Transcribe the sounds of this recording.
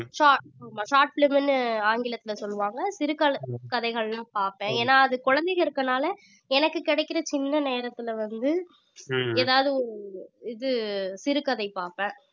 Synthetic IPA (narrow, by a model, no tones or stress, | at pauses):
ʂaːʈ̚amaːʃaːʈ̚plɪmɪnːɯaːŋɡɪlɐt̪ːɪlɐsɔlːɯʋaːŋɡɐsɪɾɯkɐlkɐðɐɪɣɐɭlãːpaːɾpẽːeːnːaːɐðɯkʊɻɐnd̪ɛɪɣɐɪɾɯkːɐnaːlɐ | ɛnɐkːɯkɪɽɐɪkːɪɾɐt͡ʃɪnːɐneːɾɐt̪ːɪlʋɐnd̪ɯ | eːðaːʋɐðɯɔɾɪðɯsɪɾɯkɐðɐɪpaːɾpẽː